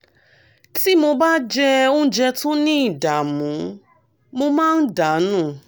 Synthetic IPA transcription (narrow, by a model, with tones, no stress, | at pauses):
ti˦mo˧ba˦d͡ʒɛ˧o˦n̩˦d͡ʒɛ˧tũ˦nĩ˦i˦˨da˨mũ˨˦ | mo˧mãː˦˧n̩˦da˨˦nũ˦˨